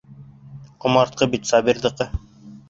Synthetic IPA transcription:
qŏmɑɾt̪̚qɤbit̪sɑbiɾðɤ̆qɤ

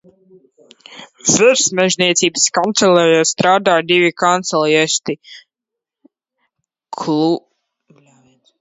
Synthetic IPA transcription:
zɨɾsmɛʒnʲiɛt̪siːbɨskant̪sɛlajast̪ɾaːd̪aːd̪ivikant̪sɛlˠjɛst̪i | kʰlu

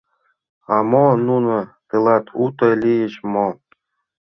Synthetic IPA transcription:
ɑmonunɤ̆t̪ɯlˠɑt̪ʰut̪ɤ̆lʲijɘ̆ɕmo

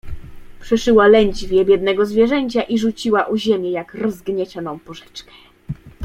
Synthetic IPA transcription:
pʂɛʂɘwalɛɲd͡ʑvʲjɛbʲjɛd̪nɛɡɔzvʲjɛʐɛɲt͡ɕaʔiʐut͡ɕiwaʔuʑemʲjɛjakɾɔzɡɲɛt͡ɕɔnɔ̃w̃pɔʐɛ̥t͡ʂkɛ̥

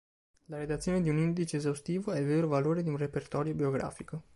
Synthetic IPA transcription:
laɾed̪at̪sːjoːned̪iunind̪it͡ʃeːzawst̪iːvoɛilveːɾovaloːɾed̪iunrepert̪ɔːɾjobioɡɾa̰ːfiko

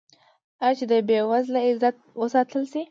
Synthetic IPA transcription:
at͡ʃed̪əbewazlaɪzat̪̚wəsɑt̪əlsi

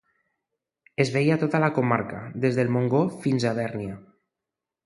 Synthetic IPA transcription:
ezβejat̪ot̪alakomaɾkad̪ezðelmoŋɡofinzaβ̞ɛɾnia

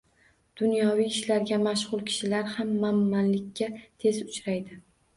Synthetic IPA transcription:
d̪̥ʊnjɒwijːʃlaɾɡʲamaʃʁʊlˠkʲʰɪ̥ʃɪlaɾhamːamːanlɪkʲːat̪ʰe̞zʊt͡ʃɾajd̪ɪ

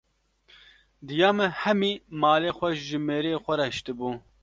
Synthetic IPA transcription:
d̪ɨjaːmɨhɛmiːmɑːleːxʷɛʃʒɨmeːɾeːxʷɛɾɛʃt̪ɨbuː

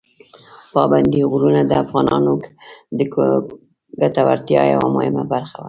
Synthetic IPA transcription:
pɑband̪iɣɾunad̪əafɣɑnɑnokd̪ə | ɡat̪awa̰ɾt̪jɑja̰wa̰mohɪmabaɾxawa

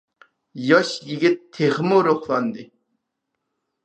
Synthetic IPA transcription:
jɑʃjiɡʲit̪ʰːeχmoɾoχlˠɑnd̪ɪ

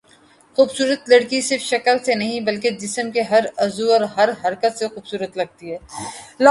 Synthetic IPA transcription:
xuːbsuːɾət̪lɐɽkisɪɾfʃɐkəlsenɐɦĩbɐlked͡ʒɪsəmkeɦɐɾɐzuɔːɾɦɐɾɦɐɾkət̪sexuːbsuːɾət̪lɐɡ̚t̪iɦɛːl

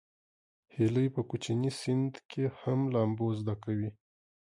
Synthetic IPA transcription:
heləjpəkut͡ʃinisɪnd̪kʰehamlɑmbozd̪akawi

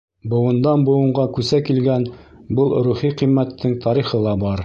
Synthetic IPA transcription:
bŏwɤ̆nd̪ɑnbŏwɤ̆ɴɢɑkʉsækilɡænbɤlˠɾuχiqimːæt̪ːɘŋt̪ɑɾiχɤlˠɑbɑɾ

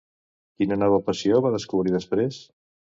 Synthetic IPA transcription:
kinənɔβ̞əpəsioβaðəskuβɾiðəspɾes

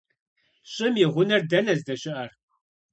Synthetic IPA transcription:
ɕʼɪmjɪʁʷʊnɐrdɐnɐzdɐɕʼɪʔɐr

